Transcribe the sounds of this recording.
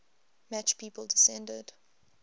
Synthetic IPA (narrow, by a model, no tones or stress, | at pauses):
mæt͡ʃpʰiːpəlˠdɪsɛ̃ndə̰d̥